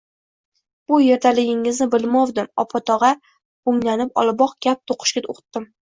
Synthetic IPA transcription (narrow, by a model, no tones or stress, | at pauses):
b̥ʊjeɾt̪ʰalɪɡʲɪŋɪznɪbɪlˠmɒwd̪ɪmɒ̰pʰɒt̪ʰɒʁɑ | bʊŋlanɪpɒ̰lˠbɒqɡ̥ʲap̚t̪ʰoqʰɨ̥ʃkʲao̰qʰt̪ːɪm